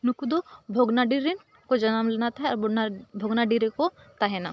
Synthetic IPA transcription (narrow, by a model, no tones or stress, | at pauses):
nukud̪obʱoɡnaɖiɾin | kod͡ʒɐnamlenat̪aɦɛɔɾbʱoɡnaɖiɾeko | t̪aɦɛna